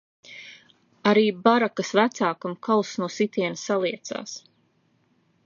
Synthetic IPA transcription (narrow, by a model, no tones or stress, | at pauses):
aɾiːbaɾakasvæt̪saːkamkʰalˠsnuɔsit̪iɛnsalˠiɛt̪sa̰ːs